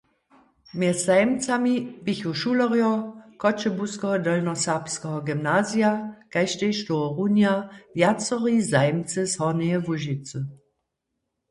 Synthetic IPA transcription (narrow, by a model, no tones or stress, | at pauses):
meɛsz̥aɪmt͡samibiçoʃulɔʁjɔkʰɔt͡ʃəbuskəɦɔdəlnɔsaʁpskəɦɔɡimnazjakaɪʃteʃtoɔʁunjavjat͡sɔʁizaɪmt͡səshɔʁneəvuʒit͡sə